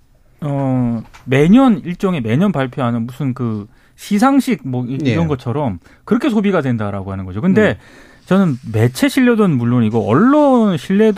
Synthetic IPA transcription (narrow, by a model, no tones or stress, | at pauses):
ʌme̞ɲʌniɭt͡ɕ͈ʌŋe̞me̞ɲʌnpaɭpʰjoɦanɯnmusʰɯnkɯ | ɕʰis̬ʰaŋɕʰiɡ̚mʌiiɾʌnɡʌt͡ɕʰʌɾʌm | kɯɾʌkʰe̞sʰobiɡadwe̞ndaɾaɡoɦanɯnɡʌd͡ʑokɯnde̞ | t͡ɕʌnɯnme̞t͡ɕʰe̞ɕʰiʎːʌdʌnmuɭːoniɡʌʌɭːonɕʰiɭːe̞d